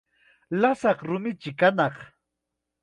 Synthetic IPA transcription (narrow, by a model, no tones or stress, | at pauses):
lasɑχɾʊmɪt͡ʃɪkanɑχ